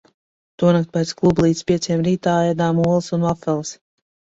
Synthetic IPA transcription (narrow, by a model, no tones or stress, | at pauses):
t̪uɔnakt̪̚pɛjt̪sklˠublˠiːt̪spʲiɛt̪sʲeːmɾiːt̪aːjɛd̪aːmuɔlˠsunvafɛlˠs